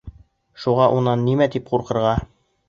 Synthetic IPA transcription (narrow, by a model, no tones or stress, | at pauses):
ʃuʁɑʔunɑnːimæt̪ipquɾqɤ̆ɾʁɑ